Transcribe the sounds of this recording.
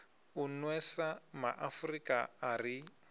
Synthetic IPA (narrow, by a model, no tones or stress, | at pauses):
unwɛsama̰ʔafrikʼaari